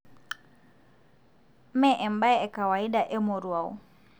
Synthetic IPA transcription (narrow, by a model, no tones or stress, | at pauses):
mɛʔɛmbaɛɛkawaidaʔɛmɔɾuaṵ